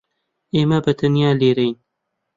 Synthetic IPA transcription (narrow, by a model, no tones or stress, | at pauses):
eːmɐbɐt̪ɐnjaːleːɾɛjn